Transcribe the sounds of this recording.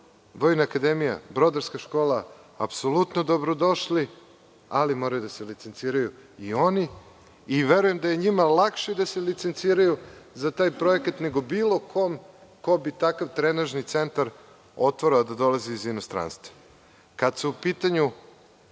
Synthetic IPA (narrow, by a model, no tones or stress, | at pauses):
ʋo̞jnaːkad̪emija̰bɾo̞d̪aɾskaʃko̞ːlˠa | a̰psolut̪nod̪o̞bɾo̞d̪o̞ʃli | alimo̞ɾajud̪aselit̪se̞nt̪siːɾajuio̞niː | ʋeɾuje̞md̪aje̞ɲimalakʃid̪aselit̪se̞nt̪siːɾajuzat̪aːjpɾo̞ekat̪ne̞ɡo̞biːlˠo̞kʰomko̞bit̪akaʋt̪ɾenaʒnit̪se̞nt̪aɾ | o̞t̪ʋoɾaad̪ad̪o̞laziːzinost̪ɾa̰ːnst̪vḁ | kad̪suupiːt̪aɲu